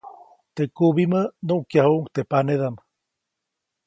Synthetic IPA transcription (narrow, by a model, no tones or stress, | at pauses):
t̪ekuβimənuʔkjahuʔŋkt̪epaneðam